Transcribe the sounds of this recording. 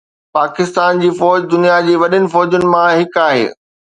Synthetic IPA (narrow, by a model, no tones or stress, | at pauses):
paːkɪst̪aːnd͡ʑiːfɔːd͡ʑd̪ʊnijad͡ʑiːʋɐɗɪnɪ̆fɔːd͡ʑʊnɪ̆mãɦɪkaːɦḛː